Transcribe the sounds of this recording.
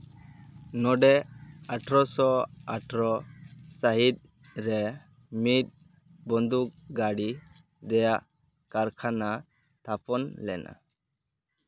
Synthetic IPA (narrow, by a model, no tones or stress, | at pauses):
nɔɖɛaʈɾɔsɔaʈɾɔsaɦit̪̚ˀ | ɾɛ | mit̪̚ˀ | bɔnd̪uk̚ɡaɽi | ɾɛjaʔ | kaɾkʰana | t̪ʰapɔnlɛ̰nʔa̰